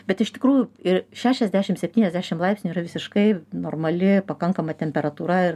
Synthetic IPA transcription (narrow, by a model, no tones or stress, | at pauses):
bʲɛt̪ɪʃt̪ʲɪkɾuːjʊɪɾʃʲæːʃʲɛzʲd̪ʲæːʃʲɪmsʲɛpʲt̪ʲiːnʲɛzʲd̪ʲæːʃʲɪmlˠɐˑɪpsʲnʲuiːɾɐʋʲɪsʲɪʃkɐɪnoːrmɐlʲɪpɐkɐŋkɐmɐt̪ʲɛmʲpʲɛɾɐt̪uːɾɐɪr